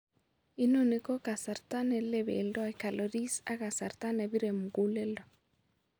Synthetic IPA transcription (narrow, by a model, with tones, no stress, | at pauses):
i˦no˨ne˨kɔ˦ka˨sa˨ɾta˦nɛ˨lɛ˦βḛ˨ldɔ˦ɛ˨ka˨lɔ˨ɾi˦sa˦ɣa˨sa˨ɾta˦nɛ˨βi˦ɾɛ˨mu˨ɣu˦le˦lɔ˨